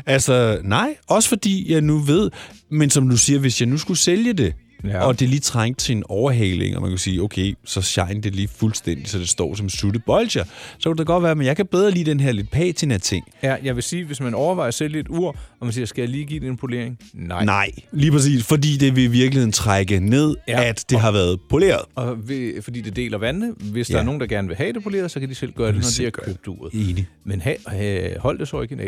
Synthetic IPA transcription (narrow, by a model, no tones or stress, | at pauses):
ælsɒnɑ̈ɪ̰ɒ̽sə̥fɒ̽d̥ḭːjɑ̈ɪnuʋe̝ð̞̰ˠmensɒ̽md̥usiːɐʋe̝sjɑ̈ɪnusɡ̥useljəd̥e̝ | ɒ̽d̥e̝liːt͡sʰʁaŋ̰d̥̚t͡sʰe̝enɒʊɐɦɛ̰ːle̝̰ŋɒ̽mæ̰nkʰæsiːoʊkʰeɪsɒ̽ɕɑ̈ɪ̰n̩d̥e̝ɐliːfulsd̥en̰d̥isɒ̽d̥e̝sd̥ɒ̰ːsɒ̽msud̥əb̥ɒ̽lɕɐsɒ̽kʰu̥d̥ɑɡ̥ɒ̽d̥ʋæːɐmenjɑɪkʰæb̥eðˠʁɐlḭːd̥enɦeɐle̝d̥̚pʰɛ̰ːt͡sʰinæɐt͡sʰe̝ŋ̰jɑ̈ɪʋe̝siːʋe̝smænɒʊɐʋɑ̈ɪɐseljəe̝d̥uɐ̰ɒ̽mænsiːɐsɡ̥æɐjaliːɡ̥ḭːd̥eenpʰo̝le̝ɐ̰eŋnɑ̈nɑ̈ɪ̰liːpʰʁas̬ḭːsfɒ̽dḭːd̥e̝ʋe̝iʋiɐɡ̥lihe̝ð̰ˠn̩t͡sʰʁaɡ̥əne̝ð̞̰ˠæd̥ːe̝ɦɑ̈ʋæːɐð̞̩ˠpʰo̝le̝̰ːɐð̩ˠɒ̽ʋefɒ̽d̥ḭːd̥e̝d̥e̝̰ːlɐʋænːəʋe̝sd̥ɑ̈ɐno̝ːn̩d̥ɑ̈ɡ̥æɐnəʋe̝ɦɛd̥epʰo̝le̝ːɐð̩ˠsɒ̽kʰæd̥isel̰ɡ̥ɶːɐd̥enɒd̥iæɐkʰøb̥̚d̥ṵːɐ̰ðˠeːni | menɦɛhɒ̽l̰d̥esɒe̝ɡ̥ənɛ